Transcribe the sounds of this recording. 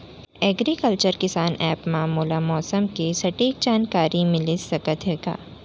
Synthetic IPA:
ɛːɡɾikəlt͡ʃəɾkɪsaːnɛːpmaːmuːlamɔːsəmkesɐʈeːk̚d͡ʒaːnkaːɾimɪlisɐkət̪ɦeːɡa̰ː

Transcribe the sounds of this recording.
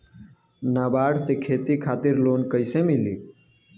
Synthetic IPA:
naːbaːɽsekʰeːt̪ikʰaːt̪iɾloːnkəɪsemilḭ

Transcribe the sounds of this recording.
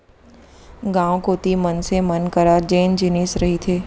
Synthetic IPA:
ɡãːõkoːt̪imənsemənkəɾaːd͡ʒeːnd͡ʒɪnisɾɐɦit̪ʰeː

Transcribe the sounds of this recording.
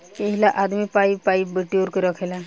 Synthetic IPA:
keɦilaʔad̪mipaipaibeʈoɾkeɾɔkʰela

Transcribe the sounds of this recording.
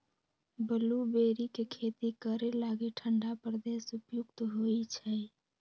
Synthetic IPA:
bəlubeɾikekʰet̪ikəɾelaɡiʈʰəɳɖapɾəd̪esupjukt̪ɦojt͡ʃʰəj

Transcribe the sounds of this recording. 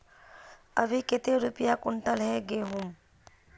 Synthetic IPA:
əbʱiket̪eɾupijakunʈalɦɛɡeɦũm

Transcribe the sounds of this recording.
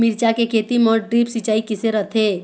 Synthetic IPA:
mɪɾt͡ʃakekʰeːt̪imɔɾɖɾiːpsit͡ʃaːikɪseɾət̪ʰe

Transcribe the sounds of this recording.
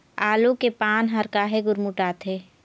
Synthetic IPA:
aːlokepaːnɦɐɾkaɦeɡʊɾmuʈaːt̪ʰeː

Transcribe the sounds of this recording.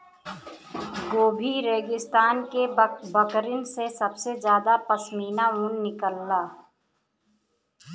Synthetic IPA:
ɡoːbʱiɾeːɡɪst̪aːnkebəkɾɪnsesəbsed͡ʒjaːd̪apəsmiːnaũnnɪkəlːaː

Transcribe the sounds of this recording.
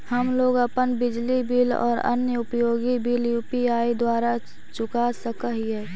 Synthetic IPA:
həmloːɡəpənbɪd͡ʒlibilɔ̰ːɾə̰njəʊpjoːɡibiljuːpiaːid̪waːɾa | t͡ʃʊkasəkəɦiɦɛː

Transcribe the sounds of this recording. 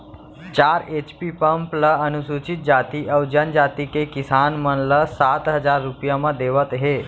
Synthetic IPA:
t͡ɕaɾet͡ɕpiːpəmpləənusut͡ɕit̪̚d͡ʑat̪iːʔəwd͡ʑjand͡ʑat̪ikekisanməɳləsat̪ɦəd͡zaɾːupjaməd̪eʋət̪ɦe

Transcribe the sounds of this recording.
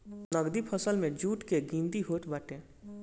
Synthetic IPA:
nɐɡd̪ipʰəsəlmẽd͡ʒuːʈkeɡĩːnd̪iɦoːʈ̪ʰbɐʈẽː

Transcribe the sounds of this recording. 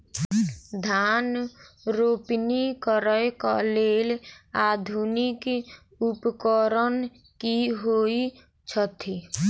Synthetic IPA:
d̪ʱanɾopnikɔɾəkɔ̰leːlad̪ʱunik | upkɔɾən | kiɦoi | t͡ʃʰət̪ʰi

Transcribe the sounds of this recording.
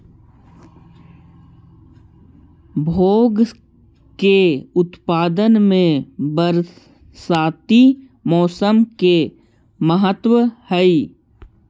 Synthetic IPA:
bʱoːɡ | keʊt̪paːd̪ənmẽbəɾ | saːt̪i | mɔːsəmke | məɦət̪wəhəi

